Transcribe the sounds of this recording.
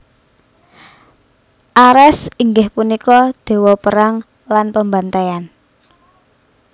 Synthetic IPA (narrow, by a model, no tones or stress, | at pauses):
ʔaɾɛsiŋɡɪhpunikɔd̪̥e̤wɔpəɾaŋ | lanpəmbant̪ajan